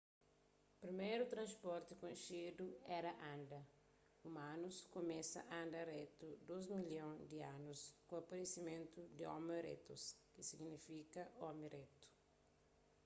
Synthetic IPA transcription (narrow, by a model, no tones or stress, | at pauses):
pɾimejɾut̪ɾɐ̃nspɔɾt̪ɪkõnʃed̪uɛɾɐʔãnd̪ɐ | umãnuskomɛsɐ̰ʔãnd̪ɐɾet̪ud̪ozmiljõŋd̪ɪanuskõɐpɐɾesimẽnt̪ud̪ɪɔ̰meɾḛt̪oskɪsiɡnifikɐɔmiɾet̪u̥